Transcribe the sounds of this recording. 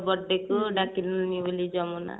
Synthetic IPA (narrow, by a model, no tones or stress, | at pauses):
bɔɖːekuɖakilnnibəlid͡ʒɔmɔna̰